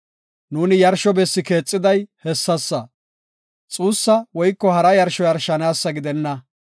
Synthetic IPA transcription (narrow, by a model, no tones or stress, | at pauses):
nuːnɪjɐɾʃɔbɛsːɪke̞ːt͡sʼːɪd̪ɐjhɛsːɐsːɐ | t͡sʼuːsːɐwɔjkːɔhɐɾɐjɐɾʃɔjɐɾʃɐnaːsːɐɡɪd̪ɛnːɐ